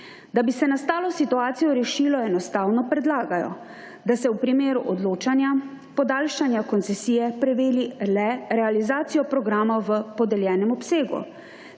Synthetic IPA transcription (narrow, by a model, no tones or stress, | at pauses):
d̪abisɛnast̪aːlɔsit̪uaːt̪sijɔɾɛʃiːlɔɛnɔst̪aːwnɔpɾɛd̪laːɡajɔ̰ | d̪asɛwpɾimeːɾuʔɔd̪loːt͡ʃanja | pɔd̪aːlʃanjakɔnt̪sɛsiːjɛpɾɛʋeːlilɛɾɛalizaːt̪sijɔpɾɔɡɾaːmaʋəpɔd̪ɛljɛːnɛmɔpseːɡṵ